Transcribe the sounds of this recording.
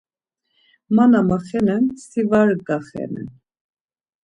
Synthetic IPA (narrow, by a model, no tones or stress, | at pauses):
manamaχɛnɛnsivaɾɡaχɛ̰nɛ̰n